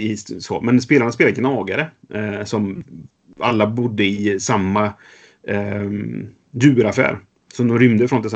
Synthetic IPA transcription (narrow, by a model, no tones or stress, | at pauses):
ɪsɔ̰mɛns̬peːlaɳaspeːlad̪əɡnɑːɡaɾəsɔm | alːabʊd̪ːəɪsamːa | jʉ̟ːɾafæ̰ːɾ | sɔd̪ɔmɾʏmd̪əfɾɔnt̪ɪs